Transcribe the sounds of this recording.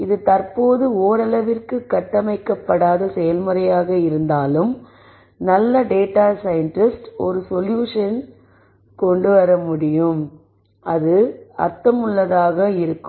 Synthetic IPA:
ɪðɯt̪ɐrpoːðɯoːɾɐlɐʋɪrkɯkːɐʈːɐmɐɪkːɐpːɐɽaːðɐsɛjɐlmɯɾɐjaːɣɐɪɾɯnd̪aːlɯm | nɐlːɐɖeːʈːaːsɐjɐɳʈɪsʈɔ̰ɾɯsɔljuːʂɐn | kɔɳɖɯʋɐɾɐmʊɽɪjɯm | ɐðɯɐ̰ɾt̪ɐmɯɭːɐðaːɣɐɪɾɯkːɯm

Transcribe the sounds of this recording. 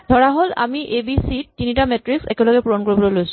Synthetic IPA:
d̥ʱɔɹaɦola̰miʔebisitːinitamɛtɹiksɛ̰kɛlɔɡɛpuɹɔnkoɹibɔlojlojsʊ̥̃

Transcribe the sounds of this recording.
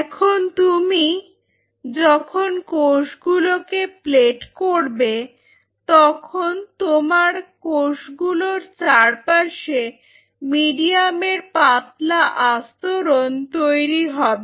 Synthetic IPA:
ɛkʰont̪umi | d͡ʑɔkʰonkoʃɡulokepleʈkoɾbe | t̪ɔkʰont̪omaɾkoʃɡuloɾt͡ɕaɾpaʃe | miɖiameɾpat̪laʔast̪oɾont̪ojɾiɦɔbe

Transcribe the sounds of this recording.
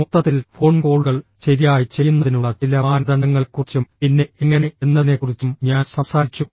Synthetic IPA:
mut̪ːɐt̪ːilfo̞ːɳko̞ːɭɣɐɭt͡ɕe̞ɾijaːjit͡ɕe̞junːɐðinuɭːɐt͡ɕilɐaːnɐðɐɳɖɐŋːɐɭkurit͡ɕːumpinːe̞eŋːɐne̞enːɐðine̞kːurit͡ɕːumɲaːnsɐmsaːɾit͡ɕːu

